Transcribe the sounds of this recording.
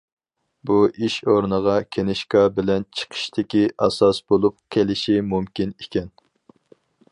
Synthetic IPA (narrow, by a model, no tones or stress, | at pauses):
buʔiʃoɾnəʁɑkʲʰenɪʃkɑbɪlɛnt͡ʃʰə̥qʰə̥ʃt̪ʰɪkʲiʔɑsɑsbolˠup̚kʲʰelɪʃimumkʲinekʲɛn